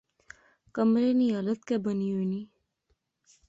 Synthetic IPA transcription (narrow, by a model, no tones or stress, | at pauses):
kəmɾeniaːlət̪̚kebəniɦoːniː